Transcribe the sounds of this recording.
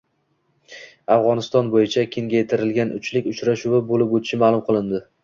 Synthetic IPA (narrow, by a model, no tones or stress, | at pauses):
afʁɒnɪst̪ɒnbojɪt͡ʃʰakʲʰeŋɡʲajet̪ʰɪɾɪlɡʲanʊ̰t͡ʃlɪkʲʊt͡ʃɾaʃuwabolɪpot̪ʰɪʃɪmaːlˠʊmqʰɨlˠɪnd̪ɪ